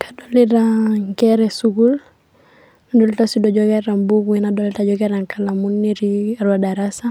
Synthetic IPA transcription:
kʰadɔliɾaŋkɛɾɛsuɡul | nadɔlitasidɔd͡ʒɔkɛɾambuɡuinadɔlitad͡ʒɔɡɛɾaŋkalamunːiɾiaɾwadaɾasa

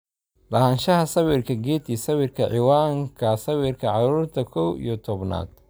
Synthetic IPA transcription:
lɐhɐnʃɐɦɐsɐwɪrkʰɐɡɛːd̪isɐwɪrkʰɐʕɪwaːŋkʰɐsɐwɪrkʰɐʕɑɾuːrt̪ʰɐkʰɔwḭjɔt̪ʰɔbna̰ːd̪̥

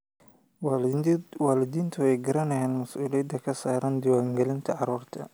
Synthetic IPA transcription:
waːlɪd̪iːnt̪ʰʊɛjɡɐɾɐnɐjɛːnmɐsʔuːlɪjɐd̪ɐkʰɐsaːɾɐnd̪ɪwaːŋɡɛlɪnt̪ʰɐʕɑɾuːrt̪ʰɐ̰

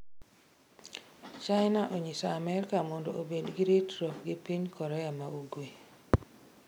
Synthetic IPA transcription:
t͡ʃaɪnaʔoɲisaːmɛɾkamɔndo̰ʔobedɡɪɾitɾɔpɡɪpiɲkɔɾɛamauɡwe

